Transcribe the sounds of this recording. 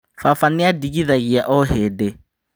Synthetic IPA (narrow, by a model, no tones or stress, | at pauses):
fafanɪadikiðaɣiaʔɔɦɛde